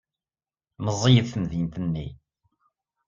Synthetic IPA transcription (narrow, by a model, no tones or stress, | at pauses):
məzˤːijəðθəmðint̪ənːḭ